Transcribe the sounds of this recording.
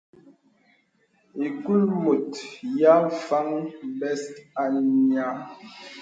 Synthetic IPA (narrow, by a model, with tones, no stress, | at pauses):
i˨ku˦lmu˨tja˦˨fa˦ŋbɛ˦sta˨ɲa˦